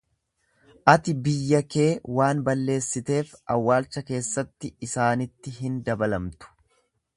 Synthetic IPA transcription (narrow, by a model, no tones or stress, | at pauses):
ʔɐt̪ɪbɪjːɐke̞ːwaːnbɐlːe̞ːsːɪt̪e̞ːfɐ̰wːaːlt͡ʃːɐke̞ːsːɐt̪ːɪːsaːnɪt̪ːɪɦɪnd̪ɐbɐlɐmt̪ʊ̥